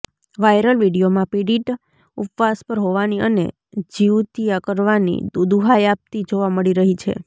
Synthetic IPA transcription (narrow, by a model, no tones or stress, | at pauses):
ʋajɾəlʋiɽijomãpiɽiʈ | upʋaspəɾɦoʋaniʔə̰nḛ | d͡ʒiwt̪ijakəɾʋanḭd̪ud̪uɦajap̚t̪id͡ʒoʋaməɭiɾəɦit͡ʃʰḛ